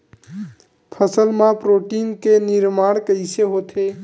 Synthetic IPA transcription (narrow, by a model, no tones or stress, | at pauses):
pʰəsəlmapɾoʈinkeniɾmaɽ̃kəɪseɦot̪ʰe